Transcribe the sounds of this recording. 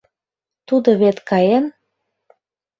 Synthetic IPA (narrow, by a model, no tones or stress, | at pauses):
t̪ud̪ɤ̆βet̪kɑjen